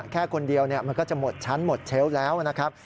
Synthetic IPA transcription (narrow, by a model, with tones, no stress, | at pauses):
kʰɛː˥˩kʰo˧ndi˧əwni˥˩ɐma˧nkɔː˥˩t͡ɕa˨˩mo˨˩t̪̚t͡ɕʰa˦˥nmo˨˩t̪̚t͡ɕʰe˦˥wlɛː˦˥wna˦˥kʰa˦˥p̚